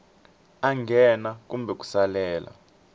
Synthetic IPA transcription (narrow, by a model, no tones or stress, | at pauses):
aŋɡʱɛnakumbʱɛk̬ʼu̥salɛːla̰